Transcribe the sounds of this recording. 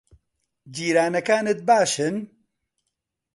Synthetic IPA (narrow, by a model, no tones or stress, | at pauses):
d͡ʒiːɾaːnɐkaːnɨt̪̚baːʃɨn